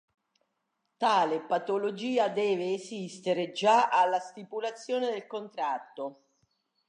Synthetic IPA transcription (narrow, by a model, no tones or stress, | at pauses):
t̪aːlepat̪olod͡ʒiːad̪ɛːveːsist̪eɾed͡ʒaʔalːast̪ipulat̪sːjoːned̪elkont̪ɾat̪ːo